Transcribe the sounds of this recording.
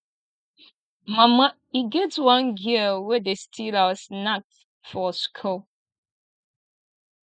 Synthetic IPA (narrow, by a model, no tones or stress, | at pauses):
mama | iɡɛtwãnɡiwɛdestʰilasnak̚t | fɔskʰo